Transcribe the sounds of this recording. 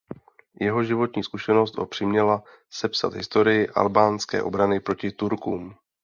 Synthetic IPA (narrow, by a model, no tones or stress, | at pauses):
jɛɦo̞ʒɪvo̞t̪ɲiːskuʃɛno̞st̪ʔo̰pr̝̥ɪmɲɛla | sɛpsa̰t̪ɦɪst̪o̞ɾɪjɪʔa̰lbaːnskɛ̰ːʔo̞̰bɾanɪpɾo̞cɪt̪uɾkuːm